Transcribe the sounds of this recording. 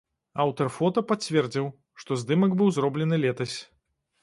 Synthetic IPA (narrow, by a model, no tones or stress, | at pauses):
awt̪ɐrfɔt̪ɐpat͡sʲvʲɛrd͡zʲiw | ʂt̪ɔzd̪ɨmɐɡbɨwzrɔblʲɛnɨlʲɛt̪ɐsʲ